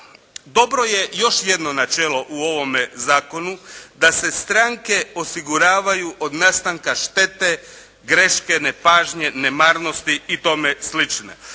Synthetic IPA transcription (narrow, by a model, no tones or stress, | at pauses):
d̪o̞bɾo̞je̞jo̞ʃje̞d̪no̞nat͡ʃeːlˠo̞ʔuo̞ʋo̞mezaːko̞nud̪ase̞st̪ɾaŋke̞o̞siɡuɾaːʋajuʔod̪nast̪aŋkaʃt̪e̞t̪e̞ | ɡɾeʃkenepaːʒɲe̞nemaɾno̞st̪iit̪o̞meslit͡ʃnḛ